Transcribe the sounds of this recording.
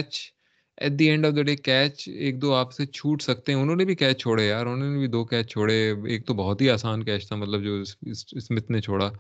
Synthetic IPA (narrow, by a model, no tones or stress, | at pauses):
kɛt͡ʃ | ɛ̰ːʈ̚d̪iɛ̃ːɳɖɔːʋd̪əɖeːkɛːt͡ʃeːk̚d̪oːaːpset͡ʃʰuːʈsɐk̚t̪ẽɦɛ̃ʊnõːnebʱikɛːt͡ʃt͡ʃʰoːɽejaːɾʊnɦõːnebʱid̪oːkɛːt͡ʃt͡ʃʰoːɽeeːk̚t̪obɔɦɔt̪ɦiaːsaːnkɛːt͡ʃʰt̪ʰamɐt̪ləbd͡ʒoːɪsɪsɪsmɪt̪ʰnet͡ʃʰoːɽaː